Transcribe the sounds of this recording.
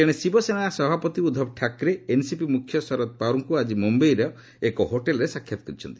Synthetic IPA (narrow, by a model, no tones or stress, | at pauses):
keɽ̃esibɔsenaasɔbʱapɔt̪iud̪ʱɔbʈʰakɾeensipimukʰjɔsɔɾɔt̪̚paɾɔŋkuad͡ʒimumbejɾɔ | ekɔɦoʈelɾesakʰjat̪ɔ̥kɔɾit͡ʃʰɔnt̪i̥